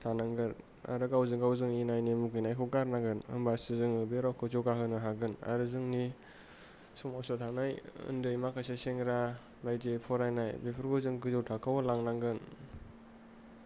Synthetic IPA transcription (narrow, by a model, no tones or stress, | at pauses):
tʰanaŋɡɯn | a̰ɾɯɡawzɯŋɡawzɯŋinajnimuɡɯjnajkʰɔkaɾnaŋɡɯnɯ̰mbasɯzɯŋɯbeɾawkʰɯzɔɡaɦɯnɯɦaɡɯna̰ɾɯzɯŋni | sumawsɔtʰanajɯ̰ndɯjmakʰajseseŋɾa | lajdepʰɔɾajnajbepʰɯɾɡɔzɯŋɡɯzowtʰakʰawalaŋnaŋɡɯn